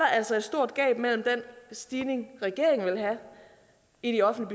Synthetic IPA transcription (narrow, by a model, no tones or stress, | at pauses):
ɑ̈æl̰sɒ̽e̝d̥sd̥o̝ɐ̰d̥ɡ̥ɛ̰ːb̥mel̰m̩d̥ensd̥iːne̝ŋʁɛɡ̥e̝ɐ̰eŋn̩ʋe̝lɦæ | iɾ̥iɒ̽fn̩dlib̥y